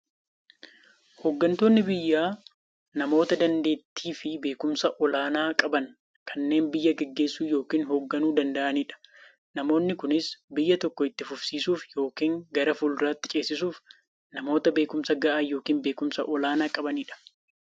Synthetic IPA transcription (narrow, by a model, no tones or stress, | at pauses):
hɔɡːɐnt̪o̞ːnːɪbɪjːaː | nɐmo̞ːt̪ɐd̪ɐnd̪e̞ːt̪ːiːfɪbe̞ːkʊmsɐʔɔlaːnaːkʼɐbɐn | kʰɐnːe̞ːnbɪjːɐɡɛɡːe̞ːsːuːjo̞ːkiːnɦoɡːɐnuːd̪ɐnd̪ɐʔɐniːᶑɐ̥ | nɐmo̞ːnːɪkʊnɪsbɪjːɐt̪ɔkːɔɪt̪ːɪfʊfsiːsuːfjo̞ːkiːŋɡɐɾɐfuːlɪraːt̪ːɪt͡ʃʼe̞ːsɪsuːf | nɐmo̞ːt̪ɐbe̞ːkʊmsɐɡɐʔaːjoːkiːnbe̞ːkʊmsɐʔɔlaːnaːkʼɐbɐniːᶑɐ̥